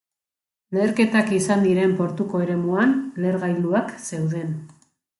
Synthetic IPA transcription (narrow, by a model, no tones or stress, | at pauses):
le̞ːɾke̞t̪akisand̪iɾe̞mpo̞ɾt̪uko̞eɾe̞muanle̞ɾɣajld̪uakse̞wðe̞n